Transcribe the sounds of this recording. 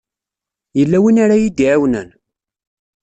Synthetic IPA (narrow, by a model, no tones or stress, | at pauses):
jəlːæwinaɾajid̪iʕawnæ̰n